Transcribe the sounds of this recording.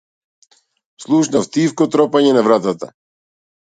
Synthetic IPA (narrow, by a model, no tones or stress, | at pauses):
slˠuʃnaft̪ifkɔt̪ɾɔpaɲɛnavɾat̪at̪a̰